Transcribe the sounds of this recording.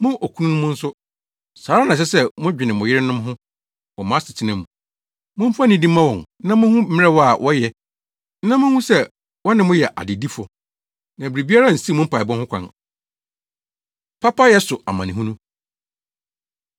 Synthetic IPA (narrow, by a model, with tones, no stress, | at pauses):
mʊ̃˦ʔo˨kʰu˦nũ˦nʊ̃˦mʊ̃˦n̩˦sʊ˦ | saː˨ɾa˦nã˨ɕ̬ɛ˦sɛ˦mʊ̃˦d͡ʑᶣɪ˨nɪ̃˨mʊ̃˨jɪ˦ɾɪ˦nʊ̃˦m˦ɦʊ̃˦ | wɔ˨mã˨˦sɪ˨tʰɪ˦nã˨mṵ̃˨ | mʊ̃˦m̩˦fa˦nĩ˦dĩ˦mːã˦wɔ̃˨n˦nã˦mʊ̃˦hʊ̃˦m̩˦ɪ̃˦ɾɛ˦wɔ˦a˨wʔɔ˦jɛ˨ | n̩˦nã˦mʊ̃˦hũ˦sɛ˦ | wɔ˦nɪ̃˨mʊ̃˦jɛ˨ʔa̰˨dɪ˨di˦fɔ˨ | nã˨bɾi˨bi˦a˦ɾa˦˨n̩˨si˦˨mʊ̃˦m̩˦pa˨bɔ̃˦hʊ̃˦kʷʰã̰˨n | pʰa˦pa˦jɛ˦sʊ˨a˨mã˨nɪ̃˨ɦũ˦nũ˦